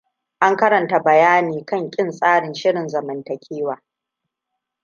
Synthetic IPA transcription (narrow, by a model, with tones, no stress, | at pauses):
ʔa˦ŋkɐ˦ɾɐ˨nta˨bɐ˨jaː˦niː˨kɐ˦ŋkʲʼɪ˦nsʼaː˦ɽɪ˨nʃɪ˦ɽɪ˨nzɐ˨mɐ˨ntɐ˨kʲʰiː˦waː˨